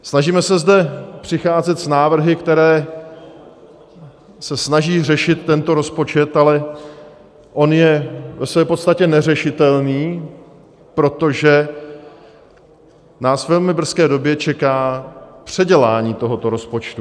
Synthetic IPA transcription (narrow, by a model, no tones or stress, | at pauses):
snaʒiːmɛsɛzdɛpr̥ɪxaːzɛt̪snaːvr̩ɦɪkt̪ɛɾɛː | sɛsnaʒiːr̝ɛʃɪt̪ːɛnt̪o̞ɾo̞spo̞t͡ʃɛt̪alɛ | ʔo̞njɛvɛsvɛːpo̞t̪st̪acɛnɛrɛʃɪt̪ɛlniː | pɾo̞t̪o̞ʒɛ | naːsvɛlmɪbr̩skɛːdo̞bjɛt͡ʃɛkaːpr̝̥ɛɟɛlaːɲiːt̪o̞ɦo̞t̪o̞ɾo̞spo̞t͡ʃt̪u